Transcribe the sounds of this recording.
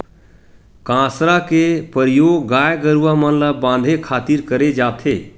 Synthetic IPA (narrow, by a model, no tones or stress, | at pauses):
kãsɾakepəɾijoɡːajɡəɾuwamənlabãnd̪ʱekʰat̪iɾkəɾed͡ʒat̪ʰe